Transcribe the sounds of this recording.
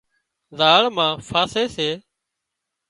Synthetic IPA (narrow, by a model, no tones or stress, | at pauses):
zaːɭmãːfʰaːseːseː